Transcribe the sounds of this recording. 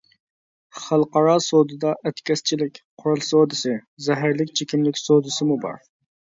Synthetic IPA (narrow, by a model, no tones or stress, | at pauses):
χælˠqɑɾɑsod̪ɨd̪ɑʔɛt̪kʲɛst͡ʃʰilɪkʲqʰʊɾulˠsod̪ɨsɪzɛɦæɾlɪkʲt͡ʃʰekʲimlɪkʲsod̪ɨsɪmubɑ̰ɾ